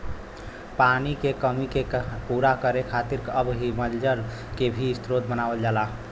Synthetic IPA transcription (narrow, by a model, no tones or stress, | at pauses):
panikekəmikepuɾakəɾekʰat̪iɾkəbɦiməld͡ʒəɾkebʱiɪst̪ɾod̪̚bənaːʋəld͡ʒaːla